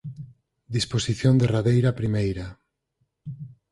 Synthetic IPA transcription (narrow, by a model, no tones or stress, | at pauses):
d̪isposiθjond̪eraðejɾapɾimejɾa